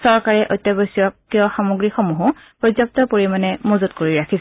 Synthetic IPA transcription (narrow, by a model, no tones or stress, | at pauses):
sɔɹkaɹɛʔɔjtːjɔbɔsiɔkːiɔxamoɡɹixɔmuɦʊ | pɹɔzjɔp̚tɔpoɹimanɛmozutkoɹiɹakʰis